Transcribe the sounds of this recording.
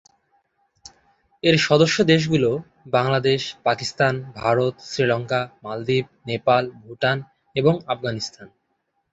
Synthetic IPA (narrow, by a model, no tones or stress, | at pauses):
eɾʃɔd̪oʃːod̪eʃ̬ɡulo | baŋlad̪eʃpakist̪anbʱaɾot̪sɾilɔŋkamald̪ib̚nepalbʱuʈan | eboŋafɡanist̪ʰan